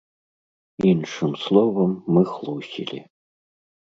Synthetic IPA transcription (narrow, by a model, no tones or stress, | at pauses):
inʂɨmslˠɔvɐmːɨxlˠuwsʲḭlʲḭ